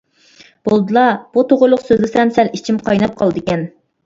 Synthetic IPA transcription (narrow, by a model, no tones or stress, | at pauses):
b̥olˠd̪ɨlˠɑb̥ut̪oʁʊɾlˠʊqsøzd̪ɪsɛmsɛlit͡ʃʰimqʰɑjnɑp̚qʰɑlˠd̪ɨkʲɛn